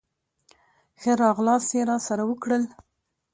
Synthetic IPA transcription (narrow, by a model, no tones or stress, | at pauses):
xəɾɑɣlɑsjeɾɑsaɾawəkɽəl